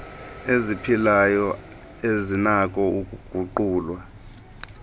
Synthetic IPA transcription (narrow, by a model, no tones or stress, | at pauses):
ezipʰilajɔ | ezinak̬ʼɔukuɡ̥ʱuǃuːlwa